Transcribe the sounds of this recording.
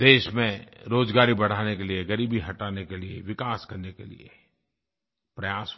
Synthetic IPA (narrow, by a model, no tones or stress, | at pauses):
d̪eːʃmẽɾoːd͡ʒɡaːɾibɐɽ̤aːnekelieɡɐɾiːbiɦɐʈaːnekeliḛʋɪkaːskɐɾnekelḭḛ | pɾɐjaːs